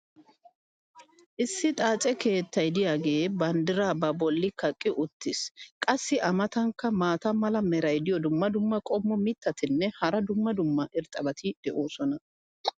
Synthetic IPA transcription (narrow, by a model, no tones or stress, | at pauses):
ʔɪsːɪt̪ʼaːt͡sʼɛkʰe̞ːt̪ːɐjd̪ɪjaːɡe̞ːbɐnd̪ɪɾaːbɐbɔlːɪkɐkʼːɪʔʊt̪ːɪskʼɐsːɪʔɐmɐt̪ɐŋkːɐmaːt̪ɐmɐlɐmɛɾɐjd̪ɪjɔd̪ʊmːɐd̪ʊmːɐkʼɔmːɔmɪt̪ːɐt̪ɪnːɛhɐɾɐd̪ʊmːɐd̪ʊmːɐʔɪɾt̪ʼɐbɐt̪ʰɪd̪̥ɛʔo̞ːsɔnɐ